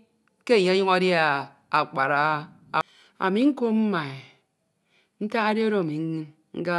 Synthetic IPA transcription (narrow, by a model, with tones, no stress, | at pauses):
ke˦˨ɲ˦a˦ɲu˦ŋa˦dja˦˨ | a˨k͡pa˨ɾa˦˨ | a̰˨mi˨ŋ̩˦ko˦m̩˦ma˨e˨ | n̩˦ta˦a˦de˦o˦ɾo˦a˨mi˨ŋ̩˦ŋi˦n | ŋ̩˦ɡa˦